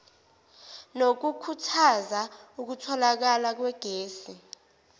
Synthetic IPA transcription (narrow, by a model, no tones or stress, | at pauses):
nok̬ukʰutʰazauk̬utʰɔlak̬alak̬wɛɡ̥ʱeːsi